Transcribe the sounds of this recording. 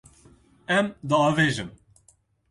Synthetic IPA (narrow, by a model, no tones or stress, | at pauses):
ɛmd̪ɨɑːveːʒɨm